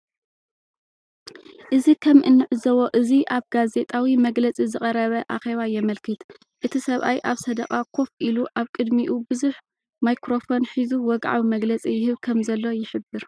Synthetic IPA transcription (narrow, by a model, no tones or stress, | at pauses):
ʔɨzikʰɐmʔɨnːɨʕɨzɐwo̞ʔɨziʔaβɡaze̞t̪ʼawimɐɡlɐt͡sʼizɨχʼɐɾɐβɐʔaxe̞βajɛmɐlkɨt̪ | ʔɨt̪ʰisɐβʔa̰jʔaβsɐd̪ɐqʼakʰo̞fʔiluʔaβkʼɨd̪miʔubɨzuħ | majkɾo̞fonħizuwɔɡʕa̰wimɐɡlɐt͡sʼijɪhɨβkʰɐmzɐlːo̞jɪħɨbːɨɾ